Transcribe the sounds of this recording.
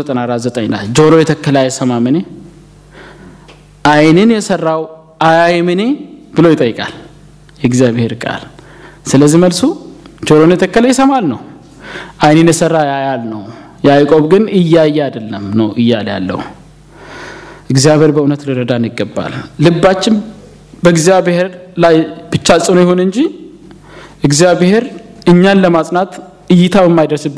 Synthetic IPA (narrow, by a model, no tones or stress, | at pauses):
ət̪ʼənaɾat̪zət̪ʼəɲnald͡ʒoɾojɛt̪ʰəkːəlajɛsəmamɨne | ʔajnɨnjɛsərːaw | ʔajajmɨneb̥ɨlojɪt̪ʼəjːɨkʼa̰l | jɛɨɡzijaβhe̞ɾkʼa̰l | sɨləzːihməlsud͡ʒo̞ɾonjɛt̪ʰəkːəlajɛsəmalnəw | ʔajnɨnjɛsərːajajalnəw | jajkʼo̞βɡɨnɨjːajːɛad̪əlːəmnəwʔɨjːalja̰lːə̰w | ʔɨɡzijaβeɾbəunət̪lɨɾəd̪anɪɡːəbːa̰lːɨbːat͡ʃːɪn | bəɨɡzijaβeheɾlajb̥ɨt͡ʃːat͡sʼənjɪhonɨɲd͡ʒi | ʔɨɡzijaβheɾɨɲːanləmasʼnat̪ | ɨjːɪt̪ʰawjɛmːajd̪əɾsɨbː